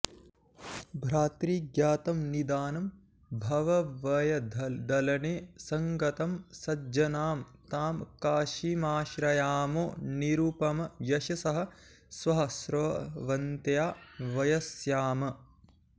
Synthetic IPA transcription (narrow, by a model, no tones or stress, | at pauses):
bʱɾaːt̪ɾiːɡjaːt̪ɐmnid̪aːnɐm | bʱɐʋɐʋɐjɐd̪ʱd̪ɐlɐneːsɐŋɡɐt̪ɐmsɐd͡ʒɐnaːmt̪aːmkaːʃiːmaːʃɾɐjaːmoːniɾuːpɐmɐjɐʃɐsɐɦɐ | sʋɐɦɐsɾoːʋɐnt̪jaːʋɐjɐsjaːmɐ